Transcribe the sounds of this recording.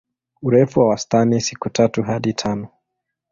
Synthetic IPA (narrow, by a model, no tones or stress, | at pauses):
uɾɛfuwawastanisikutatuɦaɗitʰanɔ